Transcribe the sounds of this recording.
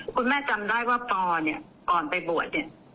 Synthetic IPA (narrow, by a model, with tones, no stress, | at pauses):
kʰu˧nmɛː˥˩t͡ɕa˧mdaː˥˩jwaː˥˩pɔː˧ni˧˥˩ə | kɔː˨˩npa˧jbu˨˩ət̪̚ni˦˥˩ə